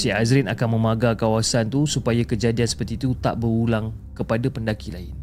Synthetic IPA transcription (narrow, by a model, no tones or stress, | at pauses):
siazɾɪnakanmə̃maɡakawasant̪usupajakəd͡ʒadiansə̥pərt̪iːt̪ut̪a̰ʔbərulaŋ | kəpadapəndakila̰ɪn